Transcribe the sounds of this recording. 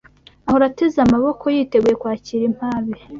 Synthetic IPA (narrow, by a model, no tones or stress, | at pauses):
aho̞ɾatezamaβo̞kʰo̞jiːte̞ɡuje̞kwaːciɾim̥aːβi